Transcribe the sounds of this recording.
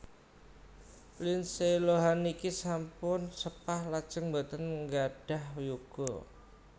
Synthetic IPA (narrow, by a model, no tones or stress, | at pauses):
linseloɦanikisampʊnsəpahlad̥ʒ̥əŋbat̪ənŋɡaɖ̥a̤hjuɡ̥ɔ